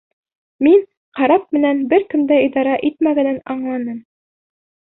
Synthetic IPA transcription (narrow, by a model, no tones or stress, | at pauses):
min | qɑɾɑp̚mɘ̆nænbɘɾkɵ̆md̪æid̪ɑɾɑʔit̪mæɡænænɑɴlˠɑnɤm